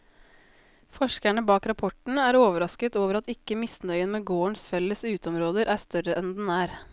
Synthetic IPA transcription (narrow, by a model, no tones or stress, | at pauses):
fɔʃkæɳəbɑːkɾɑpʰɔʈɳ̩æːɾoːʋəɾɑskət̪oːʋəɾɑt̪ɪkəmɪsnœʏənmeːɡoːəɳsfɛləsʉːt̪əɔmɾoːd̪əɾʔæːst̪œɾəʔɛnd̪ɛnæːɾ